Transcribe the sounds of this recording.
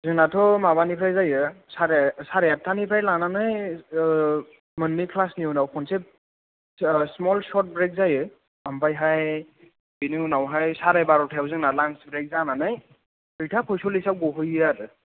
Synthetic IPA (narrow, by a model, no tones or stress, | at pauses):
zɯŋnatʰɔmaβanipʰajzajɯsaɾsaɾejat̚tʰːanipʰajlananɯj | mɯnːikʰlasniunawpʰɔnsep̚ | smɔlsɔt̚bɹek̚zajɯ | ampajɦaj | biniwnawɦajsaɾebaɾɔtʰawzɯŋnalansbɾek̚zananɯj | bɯjtʰapʰɔjsɔlisap̚ɡɔɦɯjatɯ